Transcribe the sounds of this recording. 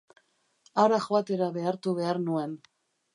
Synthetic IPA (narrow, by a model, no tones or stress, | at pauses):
aɾaxoat̪e̞ɾaβe̞aɾt̪uβe̞aɾnue̞n